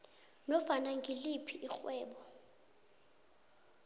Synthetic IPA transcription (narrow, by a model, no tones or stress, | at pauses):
nɔfanaŋɡʱilipʰiʔixwɛːɓɔ